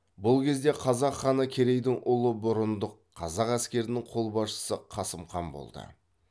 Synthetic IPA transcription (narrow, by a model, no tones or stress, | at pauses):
bʊlˠkʲe̞zd̪e̞qʰɑzɑqχːɑnəkʲʰe̞ɾe̞jd̪ɪŋʔʊlˠəbʊɾənd̪əqʰːɑzɑqæskʲe̞ɾɪnɪŋqʰo̞lˠbɑsʃə̥səqʰɑsəmχɑmbo̞̰lˠd̪ə̰